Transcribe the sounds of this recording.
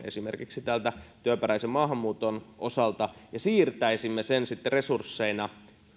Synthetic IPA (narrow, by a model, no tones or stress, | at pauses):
ḛsimerkiksit̪ælt̪æt̪yøpæræisemmɑːɦɑmːuːt̪onʔosɑlt̪ɑjɑsiːrt̪æisimːesensit̪ːeresursːeinɑ